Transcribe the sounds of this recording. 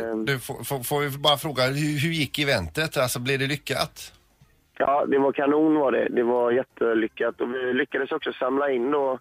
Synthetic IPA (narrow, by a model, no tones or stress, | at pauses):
d̪ɵfo̰fofoːvɪbɑːɾafɾoːɡahʉɦɵɾjɪkːɪvɛnt̪ət̪alsɔblɪd̪ɛlʏkːa̰t̪ | jɑ̰ːd̪ɛvaɾkʰanuːnvaɖɛ̰d̪ɛvaɾjɛt̪ʰːəlʏkːat̪ɔvɪlʏkːad̪əsɔksɔsamlaɪnːd̪ɔ